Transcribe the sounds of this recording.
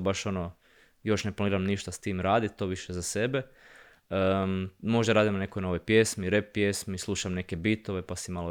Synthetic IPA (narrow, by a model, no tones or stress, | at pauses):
baʃo̞no | jo̞ʃneplˠaniːɾamniʃt̪ast̪iːmɾaːd̪it̪t̪ːo̞ːʋiʃezase̞be̞ | əmo̞ʒd̪aɾaːd̪imne̞kojnoʋojpjesmiɾepːjesmislˠuʃamne̞ke̞bit̪oʋe̞pasimalo